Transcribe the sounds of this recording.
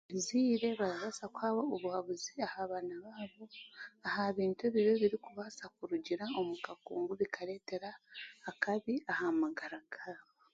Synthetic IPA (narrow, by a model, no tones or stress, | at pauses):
βiziːɾe̞βaɾaβasakwaːβo̞oβuhaβuziahaːβaːnaβaːβo̞ahaβiːntueβiβoβiɾikuβasakuɾuɟiɾao̞mukakṵːŋɡuβikʰaɾe̞ːte̞ɾaːkaβiahamaɡaɾaɡ̥aːβo